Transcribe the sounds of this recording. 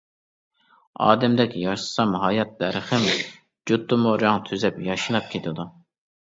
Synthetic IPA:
ɑ̰ːd̪ɛmd̪ɛkʲjɑɨ̥sɑmɦɑːjɑt̪̚d̪ɛɾχɪm | d͡ʒut̪ːumoɾjɑŋt̪ʰyzɛpjɑʃɨnˠɑp̚kʲʰet̪ʰɪd̪u

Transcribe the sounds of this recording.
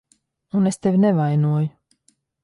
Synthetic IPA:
unest̪evʲnɛvajnuɔju

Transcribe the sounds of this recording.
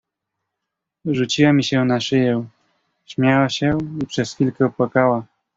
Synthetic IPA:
ʐut͡ɕiwamʲiɕɛnaʂɘjɛw | ɕmʲjawaɕɛipʂɛsfʲilkɛɔpwakawa

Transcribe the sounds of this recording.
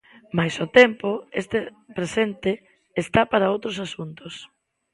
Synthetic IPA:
majsʊt̪ɛmpʊest̪e | pɾesent̪eː | st̪apaɾaowt̪ɾosasunt̪ʊs

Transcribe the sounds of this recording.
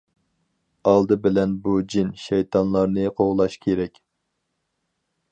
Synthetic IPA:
ɑlˠd̪ɨbɪlɛnbud͡ʒinʃɛjt̪ʰɑnlˠɑɾnɨqʰoʁlˠɑʃkʲʰeɾɛkʲ

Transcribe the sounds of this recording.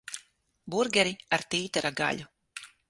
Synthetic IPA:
buɾɡʲɛɾiaɾt̪iːt̪aɾaɡa̰ʎʲu

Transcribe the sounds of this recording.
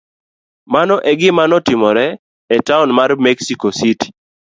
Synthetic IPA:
manɔʔɛɡɪmanɔtɪmɔɾɛ | ɛtaʊnmarmɛksikositi̥

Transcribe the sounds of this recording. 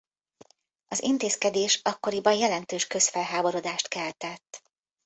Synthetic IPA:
ɒzḭnt̪eːskɛd̪eːʃɒkːo̞ɾibɒjjɛlɛnt̪øːʃkø̞sfɛlɦaːbo̞ɾo̞d̪aːʃt̪kɛlt̪ɛt̪ː

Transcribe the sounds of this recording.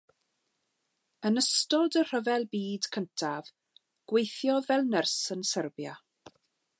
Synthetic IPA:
ənəstɔdər̥əvɛlˠbiːd̥kʰəntʰav̥ | ɡ̥wejθjɔvɛlˠnərsənsərbja

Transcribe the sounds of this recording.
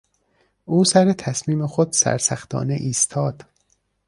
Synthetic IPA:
ʔuːsæɾet̪ʰæsmiːmexod̪̥sæ̰ɾsæxt̪ʰɒ̰ːneʔiːst̪ʰɒːd̪̥

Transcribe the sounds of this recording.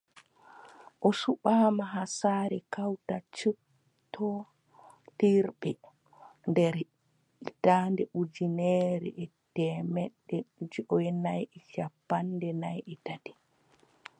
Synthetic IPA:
ʔɔsuɓaːmaɦasaɾɛkawtat͡ʃu | tʰːɔ | tiɾɓɛ | ndɛɾ | itandɛʔud͡ʒinɛɾɛ̰ʔɛtɛmɛɗːɛd͡ʒiʔɔjɛnajʔɛʃapːandɛnajʔɛtadi̥

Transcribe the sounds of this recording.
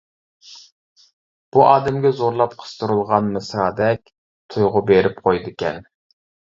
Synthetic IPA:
b̥uʔɑːd̪ɛmɡʲɛzoɾlˠɑp̚qʰə̥st̪uɾɨlˠʁɑnmɨsɾɑːd̪ɛkʲ | t̪ʰujʁʊbeɾɪp̚qʰojd̪ɨkʲʰɛ̰n

